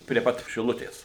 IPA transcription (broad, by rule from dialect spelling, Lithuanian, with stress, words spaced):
pʲrʲiɛ ˈpɐt ʃʲɪˈlˠʊtʲeːs